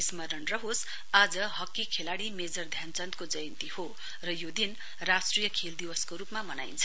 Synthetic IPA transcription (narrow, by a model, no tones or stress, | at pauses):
ismʌɾʌnrʌɦos | ad͡zʌɦʌkːikʰelaɽimed͡zʌrd̪ʱjant͡sʌnt̪kod͡zʌjʌnt̪iho | rʌjod̪in | rasʈrijʌkʰeld̪iwʌskoɾupmamʌnajnt͡sʰʌ